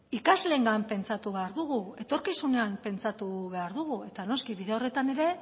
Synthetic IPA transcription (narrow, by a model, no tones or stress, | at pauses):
ikazle̞ŋɡampe̞nt͡sat̪uβe̞aɾðuɣue̞t̪o̞ɾkisune̞ampe̞nt͡sat̪uβe̞aɾðuɣ̞ue̞t̪ano̞skiβiðeo̞re̞t̪ane̞ɾe̞